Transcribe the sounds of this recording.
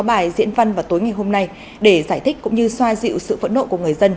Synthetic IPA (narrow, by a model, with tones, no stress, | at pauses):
ɔ˨˦ɓaː˨˩jzḭ˧˥ənva˧nvaː˨˩wt̪o˨˦jŋa˨˩jhɦo˧mna˧j | ɗe˧˩zaː˧˩jt̪i˦˥k̟kʊ̰˧˥ŋ͡mɲɨ˧swaː˧zḭ˧˨wsɨ̰˧˨və̰˧˥no̰˧˨ku˧˩əŋɨ˨˩əjzə˧n